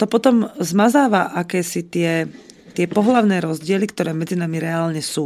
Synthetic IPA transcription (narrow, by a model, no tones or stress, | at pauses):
t̪ɔpɔt̪ɔmzmazaːʋaʔakɛːsit̪ɪɛ | t̪ɪɛpɔɦlaʊnɛːɾɔzɟɪɛlikt̪ɔɾɛːmɛd͡zinamiɾɛaːlɲɛsuː